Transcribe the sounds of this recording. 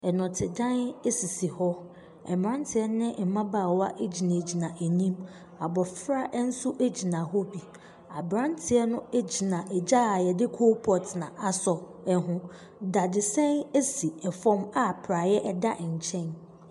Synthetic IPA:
ɛ˨nɔ̃˨tʰɪ˨dã˦ne˦si˨si˨hɔ˦ | ɛ̰˨m˨ɾã˦n˦tʰɪ˨˦ɛ˦nɪ̃˦˨m̩˨mã˦ba˨wa˦ʔe˦d͡ʑi˨nã˨d͡ʑi˨nã˨ʔe˨nĩ˦m | a˨bɔ˨fɾa˦ʔn̩˦sʊ˦ʔe˦d͡ʑi˨nã˨hɔ˦bi˨ | a˨bɾã˦n˦tʰɪ˨ɛ˦nʊ̃˦e˦d͡ʑi˨nã˨ʔɛ˨d͡ʑa˦a˨jɛ˨dɪ˦kʰo˦pʰɔ˨tʰɪ˨nã˨ʔa˨sɔ˨ɛ˨ɦʊ̃˦ | da˨dɪ˨sɛ̃˦ne˦si˨ɛ˨fɔ̃˦ma˦˨pʰɾa˨jɛ˦ʔɛ˦˨da˦ʔɲ̩˨t͡ɕʰɛ̃˦n

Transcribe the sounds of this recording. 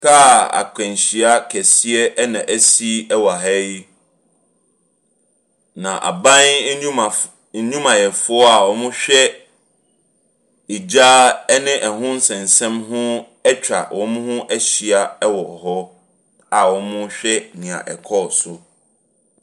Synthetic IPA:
kʰa˦˨a̰˨kʰɛ̃˨n˨ɕi˨a˦kʰɛ˨si˦ɛ˦nã˨ʔæ˦si˦ɛ˦wɔ˨a˨ɦɛ˦ji˦ | nã˨ʔa̰˨bã˦n˦˨˦ | ɲũ˦mã˨jɛ˨fʊ˦ɔ˦a˨wɔ̃˦mʊ̃˦ɕᶣɛ˦ | i˨d͡ʑaː˦ɛ˦nɪ̃˦ʔɛ˨ɦʊ̃˦n̩˦sɛ̃˨n˨sɛ̃˦mɦʊ̃˦ | ɛ˦t͡ɕᶣa̰˨wʔɔ̃˦m̃˦hʊ̃˦ʔɛ˦ɕi˨a˦ɛ˦wɔ˨ɔ˨hɔ˦ | a˨wɔ̃˨˦mʊ̃˦ɕᶣɛ˦nɪ̃˨ã̰˨ʔɛ̰˨kʰɔ˦˨sʊ˨

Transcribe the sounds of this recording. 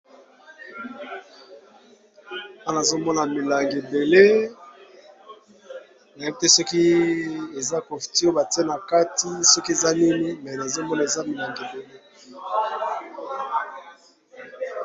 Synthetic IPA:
a˦na˨zo˦mɔ˦na˨mi˨la˨ŋɡe˨be˨le˦ | na˨ji˦te˦sɔ˦ki˦e˨za˦ko˨fi̥˨ti˦o˦ba˨ti˦e˦na˨ka˦ti˦sɔ˦ki˦e˨za˦ni˦ni˦mɛ˨na˨zo˦mɔ˦na˨e˨za˦mi˨la˨ŋɡe˨be˨le˦

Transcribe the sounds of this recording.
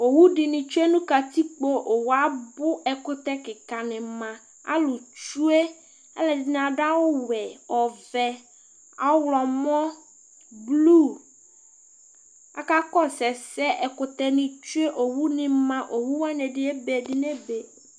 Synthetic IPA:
o˨wu˦ɖɪ˨nɪ̃˨t͡ʃu˦e˦nũ˦ka˨t̪i˦k͡po˦ʔo˨wa˦bʊ˦ɛ˨kʊ˦t̪ɛ˦kɪ˨ka˨nɪ̃˨mã˨ | a̰˦lʊ˨t͡ʃu˦e˦ | ɛ̰˦lɛ˨dɪ˨n˨ã˨ɖa˦wʊ˦wɛ˨ɔ˨vɛ˦ | a˨˦wlɔ˨mɔ̃˦ | blu˦˨ | a̰˨ka˦kɔ˦sɛ˨sɛ˦ʔɛ˨kʊ˨t̪ɛ˦nɪ̃˨t͡ʃu˦e˦ʔo˨wu˦nɪ̃˨mã˦ʔo˨wu˦wa˦nɛ̃˨dɪ˨ɛ˦be˨dɪ˨nɛ˦be˨

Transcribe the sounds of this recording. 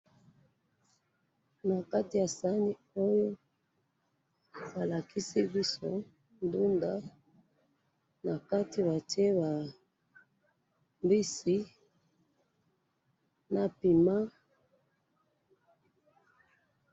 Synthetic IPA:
na˨ka˦ti˨ja˨sa˦ni˦ | o˦jo˦ | ba˨la˨ki˦si˦bi˦so˦ | ndu˦nda˦ | na˨ka˦ti˦βa˨te˦ba˨ | mbi˦si˦ | na˨pi˨ma˦

